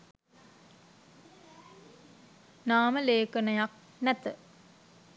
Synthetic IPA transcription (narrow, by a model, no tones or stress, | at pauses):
naːməleːkənəjak̚ | næt̪ə